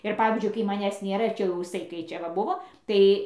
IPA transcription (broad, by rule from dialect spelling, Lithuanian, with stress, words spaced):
ɪr ˈpɑːʋʲiːzʲd͡ʒʲʊɪ kɐɪ mɐˈnʲæːs ˈnʲeːrɐ ɪr ˈt͡ʃʲɛ jɛʊ ɪˈsɐɪ kɐɪ ˈt͡ʃʲɛ ʋɐ ˈbʊʋoː ˈtɐɪ